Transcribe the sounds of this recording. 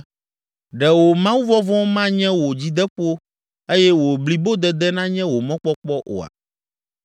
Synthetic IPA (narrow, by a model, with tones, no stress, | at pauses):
ɖɛ˨wo˨mã˦wu˦vɔ˦vɔ̃˦mã˦ɲɛ̃˦wo˨d͡ʑi˦d̪ɛ˦ɸo˦ | e˦jɛ˦wo˨bli˦bo˦d̪ɛ˦d̪ɛ˦nã˦ɲɛ̃˦wo˨mɔ̃˦k͡pɔ˦k͡pɔ˦ʔo̰˨a̰˨